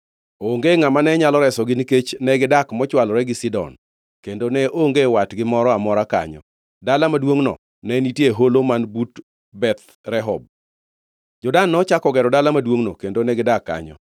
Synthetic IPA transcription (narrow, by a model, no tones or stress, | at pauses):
oŋɡeŋamanɛɲalɔɾɛsɔɡɪniket͡ʃnɛɡɪdakmɔt͡ʃwalɔɾɛɡɪsɪdɔ̰n | kendonɛʔoŋɡewatɡɪmɔɾɔamɔɾaka̰ɲɔ̰ | dalamadwoŋnɔ̰ | nɛniteɦolomanbut | bɛt̪ | ɾɛɦɔb̚ | d͡ʒɔdanːɔt͡ʃakɔɡɛɾɔdalamadwoŋnokendonɛɡɪdakːa̰ɲɔ̰